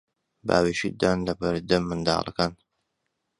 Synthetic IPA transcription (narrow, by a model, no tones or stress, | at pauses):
ba̰ːweʃid̪aːnlɐbɐɾd̪ɐmɨnd̪ɑ̰ːlˠɐ̰kaːn